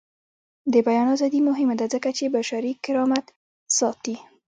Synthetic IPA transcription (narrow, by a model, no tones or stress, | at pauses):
d̪əbajɑnazɑd̪imʊɦɪmad̪azəkat͡ʃebaʃaɾikɪɾɑmat̪ | sɑt̪i